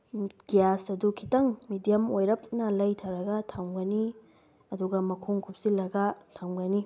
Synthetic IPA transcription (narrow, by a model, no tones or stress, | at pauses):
ɡ̥ijasɐdukʰitɐŋmidijɐmojɾɐp̚nɐlɐjtʰɐwɾɐɡɐtʰɐŋɡɐni | ɐduɡɐmɐkʰuŋkʰup̚silːɐɡɐtʰɐŋɡɐni